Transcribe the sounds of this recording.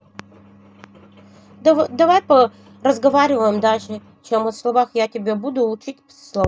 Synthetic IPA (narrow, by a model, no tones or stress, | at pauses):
d̪ɐvajpə | rəzɡɐvaɾʲɪvəjɪmd̪aʐɨ | t͡ɕeməslˠɐvaxjatʲɪbʲebud̪ʊʊt͡ʃitʲ | slˠɐ